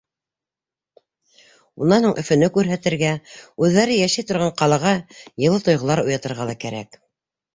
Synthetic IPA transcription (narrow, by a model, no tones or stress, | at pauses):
unːɑnhoɴʔɵ̆fɵ̆nɘkʉɾɦæt̪ɘ̆ɾɡæʉðːæɾɘjæʃæjt̪ŏɾʁɑɴqɑlˠɑʁɑjɤ̆lˠɤt̪ŏjʁŏlˠɑɾujɑt̪ɤ̆ɾʁɑlˠɑkæɾæ̰k